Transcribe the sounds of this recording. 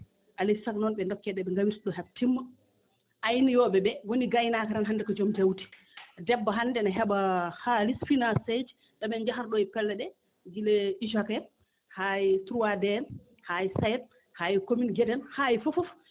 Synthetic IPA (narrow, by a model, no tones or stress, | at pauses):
ʔalisaknɔnɓɛndɔkːɛɗɛɓɛŋɡawiɾtɗɔɦab̚tːimːa | ʔajnijɔɓɛbɛwoniɡajnakaɾanɦandɛkɔd͡ʒomtawti̥ | dɛbːaɦanːdɛnaɦɛbahalisfinased͡ʒ | ɗaɓɛnd͡ʒaɦaɾɗɔjɛpɛlːɛɗɛ | d͡ʒilɛiʃakɛ | hajitɾuwadɛn | hajsajɛt̚ | haːjikominɡɛdɛnhajifufuf